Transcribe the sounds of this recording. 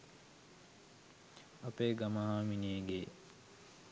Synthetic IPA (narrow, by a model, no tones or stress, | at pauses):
ɐpeːɡɐmaɦaːmineːɡeː